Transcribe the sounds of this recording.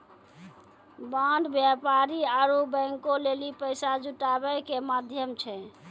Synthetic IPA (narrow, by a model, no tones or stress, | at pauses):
bãɳɖbjapaɾiaɾubə̃ŋkolelipəjsad͡ʒuʈabɛkemad̪ʱjəmt͡ʃʰɛ